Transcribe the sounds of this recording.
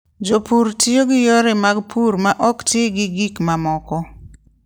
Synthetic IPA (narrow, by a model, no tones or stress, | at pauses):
d͡ʒopuɾtioɡɪjoɾɪmaɡpʰuɾmaʔɔktjeɡɪɡikmamɔkɔ